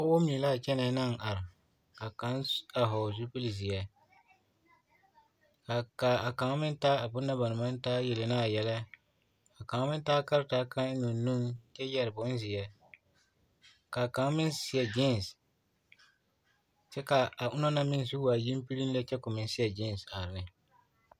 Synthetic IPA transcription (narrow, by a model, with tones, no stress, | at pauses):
ʊ˦wo˦m˦ni˨laː˦˨t͡ʃɛ˦nɛ˨˦na˦ŋ˨ʔa˨ɾɪ˨ | ka˨ka˦na˨ɦɔ˨zu˦pi˦li˨zi˨ja˨ | ka˨ka˨a˨ka˨ŋ˦mɪ˦n˦taː˦a˨bʊ˦nːa˦ba˨nɪ˨ma˦n˦taː˦jɛ˨lɪ˨na˦˨jɛ˦la˦ | ka˨ka˨ŋ˦mɪ˦n˦taː˦ka˦ɾtaː˦ka˦ŋ˦nʊ˨nu˦ŋt͡ʃɛ˦jɛ˦ɾɪ˨bʊ˦n˦zɪ˨ja˦ | ka˨ka˨˦ŋ˦mɪ˦nsɪ˨jɛ˨d͡ʒɪ˦n˨s | t͡ʃɛ˦ka˨a˨ʔʊ˦na˦na˦mɪ˦n˦zu˦a˨ji˦m˦pi˦li˦n˦la˦t͡ʃɛ˦kʊ˨mɪ˨n˦sɪ˦ɛ˨d͡ʒɪ˦n˨sa˨ɾɪ˨nɪ˨